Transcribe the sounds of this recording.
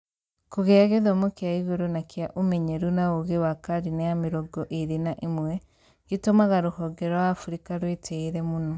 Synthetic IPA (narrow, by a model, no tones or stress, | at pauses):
koɣeaɣeðomokjaiɣuɾunakjaʔumɛɲeɾunaoɣewakaɾinajamiɾɔɡɔʔeɾinaʔimwɛ | ɡitomaɣaɾohɔɡɛɾɔwaːfuɾikaɾwetʰeiɾɛmunɔ